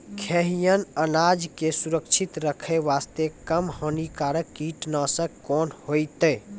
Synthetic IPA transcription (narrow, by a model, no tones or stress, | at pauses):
kʰeɦijənənad͡ʒkesuɾəkt͡ʃʰit̪ɾəkʰeʋast̪ekəmhonikaɾəkːiʈnəsəkːonhojt̪ə